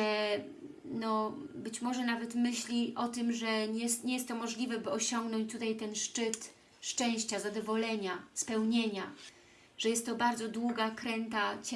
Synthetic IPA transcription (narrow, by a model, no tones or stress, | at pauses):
ɛ | nɔbɘt͡ɕmɔʐɛnavɛt̪mɘɕlʲiʔɔt̪ɘmʐɛɲɛst̪ɲɛjɛst̪ːɔmɔʐlʲivɛbɘɔɕɔŋɡnɔɲt͡ɕt̪ut̪ajt̪ɛnʂt͡ʂɘt̪ | ʂt͡ʂɛ̃w̃ɕt͡ɕazad̪ɔvɔlɛɲaspɛwɲeɲa | ʐ̥ɛjɛst̪ːɔbaɾd̪zɔd̪wuɡakɾɛnt̪at͡ɕ